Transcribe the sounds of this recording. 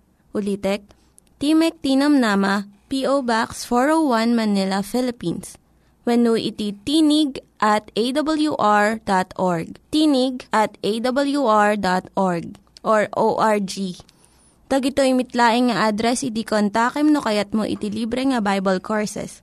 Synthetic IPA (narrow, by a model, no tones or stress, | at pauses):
ʔʊliːt̪ɛk̚ | t̪imɛk̚t̪iːnɐmnaːmɐpiʔowbaksfoɹowwanmɐnɪlɐfɪlɪpins | wɐnuʔɪ̰t̪it̪iːnɪɡ̚ʔɐt̪ejd̪ɐbɐljuʔaɹd̪at̪ʔoɹɡ̚t̪inɪɡ̚ʔɐt̪ejd̪ɐbɐljuʔaɹd̪at̪ʔoɹɡ̚ | ʔoɹʔoʔaɹd͡ʒi | t̪ɐɡɪt̪oʔɪmɪt̪laːʔɪŋŋɐʔad̪ɾɛsɪd̪ikont̪akɛmnokɐjat̪̚mo̰ʔɪ̰t̪iliːbɾɛŋɐbajbɐlkʰoɹsɛ̰s